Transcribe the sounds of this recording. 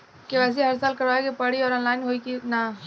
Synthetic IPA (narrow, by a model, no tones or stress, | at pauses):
keʋɛːs̬iɦɐɾsaːlkɐɾʋaːjekepɐɽiɔːɾɔːnlaːɪnɦoːikina